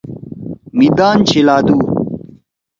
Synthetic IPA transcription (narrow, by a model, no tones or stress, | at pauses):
mid̪aːnt͡ɕʰilaːd̪uː